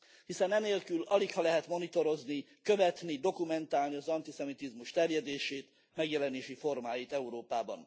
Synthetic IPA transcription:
hisɛnɛneːlkylɒlikhɒlɛɦɛt̪mo̞nit̪o̞ɾo̞zni | kø̞vɛt̪nid̪o̞kumɛnt̪aːlniɒzɒnt̪isɛmit̪izmuʃt̪ɛrjɛd̪eːʃeːt̪ | mɛɡjɛlɛneːʃifo̞rmaːjit̪ɛuɾoːpaːbɒ̰n

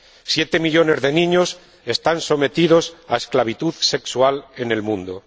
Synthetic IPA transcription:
sje̞t̪e̞miʎo̞ne̞zðe̞nĩɲo̞s | e̞st̪anso̞me̞t̪iðo̞saesklaβ̞it̪uðse̞ksuale̞ne̞lmũnd̪o

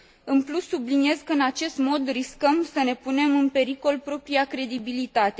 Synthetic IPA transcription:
ɨnplusːublinie̞zkəɨnat͡ʃe̞st̪mo̞d̪riskəmsəne̞pune̞mɨnpe̞ɾiko̞lpɾo̞pɾiakɾe̞d̪ibilit̪at̪e̞

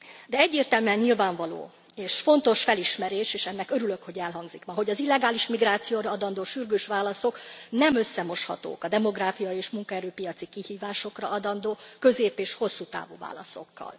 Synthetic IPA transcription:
d̪ɛɛɟːeːrt̪ɛlmyɛɲɲilvaːɱvɒlo̰ː | eːʃfo̞nt̪o̞ʃfɛliʃmɛɾeːʃeːʃɛnːɛkø̞ɾylø̞kho̞ɟɛlɦɒŋɡzikmɒɦo̞ɟɒzilːɛɡaːliʃmiɡɾaːt̪sijoːɾɒɒd̪ɒnd̪oːʃyrɡøːʃʋaːlɒso̞knɛmø̞sːɛmo̞ʃhɒ̰t̪o̰ːkɒd̪ɛmo̞ɡraːfijɒeːʃmuŋkɒɛɾøːpijɒt̪sikihiːvaːʃo̞krɒɒd̪ɒnd̪oːkø̞zeːpeːʃho̞sːuːt̪a̰ːvṵva̰ːlɒ̰so̞̰kːɒ̰l

